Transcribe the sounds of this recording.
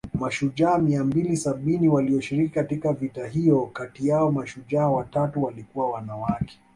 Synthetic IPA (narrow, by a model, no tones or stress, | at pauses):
maʃuʄaːmiambilisaɓiniwaliɔʃiɾikikatikkavitaɦijɔkatijaɔmaʃuʄaːwatatuwalikuwawanawakʰɛ̥